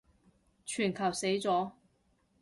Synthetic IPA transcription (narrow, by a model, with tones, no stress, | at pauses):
t͡ʃʰyː˨˩nkʰɐ˨˩wse˨˥jt͡sɔː˨˥